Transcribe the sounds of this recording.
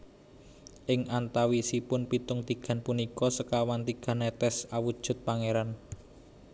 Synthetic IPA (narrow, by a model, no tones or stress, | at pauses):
ʔɪŋʔant̪awisipʊnpit̪ʊŋt̪iɡ̥a̤npunikɔsəkawant̪iɡ̥ä̤nɛt̪ɛsawud̥ʒ̥ṳt̪̚paŋeɾan